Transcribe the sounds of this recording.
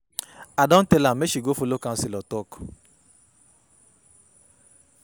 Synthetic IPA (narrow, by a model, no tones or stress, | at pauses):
adɔ̃n̩telameʃiɡofolokan̩silɔtɔk